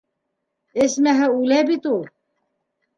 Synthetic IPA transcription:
esmɛɦəulɛbit̪u

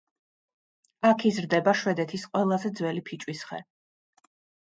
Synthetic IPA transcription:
akʰizɾd̪ɛbaʃwɛd̪ɛt̪ʰisqʼwɛlˠazɛd̪zwɛlipʰit͡ʃʼwisχɛ̰

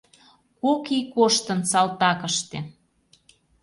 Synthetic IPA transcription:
kokikoʃt̪ə̆nsɑlt̪ɑkəʃt̪e

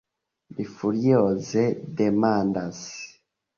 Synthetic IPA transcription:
bifuɾijozedemaːndas

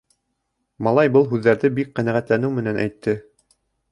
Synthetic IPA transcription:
mɑlˠɑjbɤlˠɦʉðːæɾðɘbik̚qænæʁæt̪lænɘwmɘ̆nænʔæ̰jt̪ːɘ

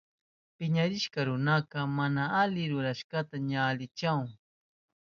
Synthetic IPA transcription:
pɪɲaɾɪʃkɑɾʊnɑqɑmanaalɪɾʊɾaʃkɑt̪aɲaːlɪt͡ʃaŋ

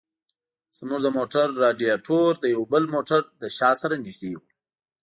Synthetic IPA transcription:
z̥muʐd̪əmoʈaɾːɑɖijaʈʰoɾd̪əjawbəlmoʈaɾd̪əʃɑsaɾaniʒd̪ewu

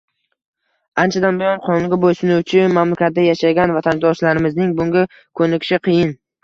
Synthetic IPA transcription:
ant͡ʃʰad̪anbɪjɒnqʰɒnŋɡʲabojsʊnʊwt͡ʃʰɪmamlakʲat̪̚d̪ajaʃaɡʲanvat̪ʰand̪ɒʃlaɾɪmɪznɪŋbʊŋɡʲa | kʰɵnɪkʲɪ̥ʃɪqʰɨjɪn

